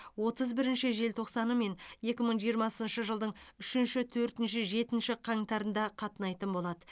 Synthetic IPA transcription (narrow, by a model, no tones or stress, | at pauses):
wo̞t̪əzbɪɾɪnʃɪʒe̞lt̪ʰo̞qsɑnəme̞nje̞kʲɪməɴʒijəɾmɑsənʃəʒəlˠd̪əɴʏʃɪnʃɪt̪ʰɵɾt̪ɪnʃɪʒe̞t̪ɪnʃɪqʰɑŋt̪ɑɾənd̪ɑqʰɑt̪ənɑjt̪ənbo̞lˠɑd̪ə